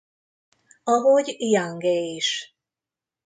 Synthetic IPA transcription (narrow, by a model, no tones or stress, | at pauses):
ɒɦoɟijaŋɡeiʃ